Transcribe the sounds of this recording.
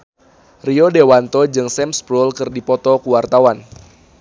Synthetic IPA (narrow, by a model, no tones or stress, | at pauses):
riodewant̪ɔd͡ʒɨŋsɛmspɾulkɨrdipɔt̪ɔkuwart̪awan